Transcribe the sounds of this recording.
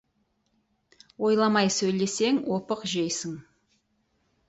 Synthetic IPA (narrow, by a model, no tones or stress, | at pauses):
wo̞jlˠɑmɑjsɵjle̞se̞ŋwopəqʒejsɪŋ